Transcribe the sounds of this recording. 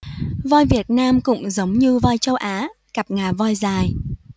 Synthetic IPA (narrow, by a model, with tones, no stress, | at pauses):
vɔː˧jvi˨˩ət̚naː˧mkʊ̰˧˥ŋ͡mzə˨˦wŋ͡mɲɨ˧vɔ˧jt͡ɕə˧wʔaː˨˦ | ka˨˩p̚ŋaː˨˩vɔ˧jzaː˨˩j